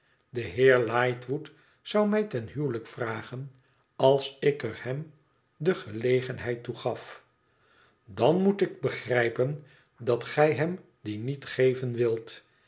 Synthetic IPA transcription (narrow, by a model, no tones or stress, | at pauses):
dəɦɪːɹlɑjtʋut | sʌwmɛjtɛnɦywləkfraːχən | ɑlˠsɪkərhɛm | dəχəlejχənɦɛjtuχɑf | dɑnmutɪɡ̚bəχrɛjpən | dɑtχɛjɦɛm | dinitχejvənʋɪlˠt